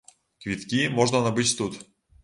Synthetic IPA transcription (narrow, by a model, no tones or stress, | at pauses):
kvʲit̪kʲimoʐnənabɨt͡ɕʲt̪ut̪